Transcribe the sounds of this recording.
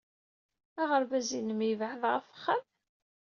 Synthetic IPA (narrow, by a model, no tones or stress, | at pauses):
aʁəɾbæzinəmivʕəðʁəfə̥χːəm